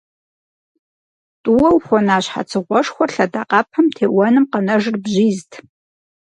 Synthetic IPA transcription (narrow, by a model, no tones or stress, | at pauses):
tʼuwɐwxʷɔnaːɕħa̰t͡sʰɨʁʷɔʂxʷɔrɬɐdaːqɑːpʰɐmtʰeːwɐnɨmqɐnɐʒɨrbʑiːztʰ